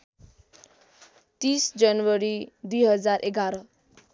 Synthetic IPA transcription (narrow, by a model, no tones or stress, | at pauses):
t̪isd͡zʌnwʌɾid̪ujɦʌd͡zarʔeɡaɾʌ